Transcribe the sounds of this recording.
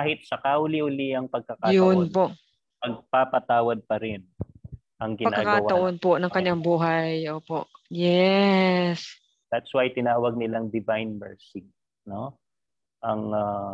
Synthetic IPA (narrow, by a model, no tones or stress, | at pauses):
kaːhɪt̪̚sɐkaʔʊliʔʊliɐŋpɐɡ̚kɐkajʊnpoʔ | pɐɡ̚papɐt̪aːwɐd̪̚pɐɾɪn | ʔɐŋɡɪpɐnakːɡkaɡwaɐʔonponɐŋkɐɲːaŋbuːɦɐjʔoːpoʔjɛ | s | d̪̥at̪swajt̪ɪnaːwɐɡ̚nɪlaŋd̪ɪvajnmɛɹsɪɡ̚ | no | ʔɐŋa